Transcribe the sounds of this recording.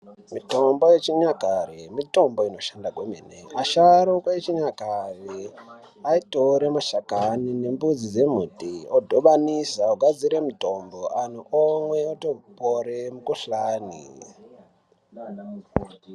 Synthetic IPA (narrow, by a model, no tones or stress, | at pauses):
mito̞mbo̞je̞t͡ʃiɲakaremito̞mbo̞ino̞ʃandakwemḭneaʃaɾokwaet͡ʃiɲakare | aitoɾemaʃakanine̞mbud͡zid͡ze̞m̤utiodʱoʋanisaoɡʱad͡ziɾe̞muto̞mboan̤uʔomweotoporemukuɬaːnḭ